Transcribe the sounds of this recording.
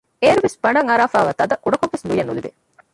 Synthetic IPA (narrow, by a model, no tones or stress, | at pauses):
eːɾuʋesb̥ɐɳɖɐŋɐɾaːfaːʋat̪ɐd̪ɐʔuɖɐkoʋʋeslujɐnuliʋḛ